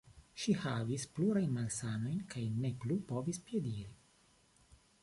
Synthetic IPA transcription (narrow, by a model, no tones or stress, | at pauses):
ʃihavispluɾajnmalsano̞jnkajneplupo̞vispjediɾi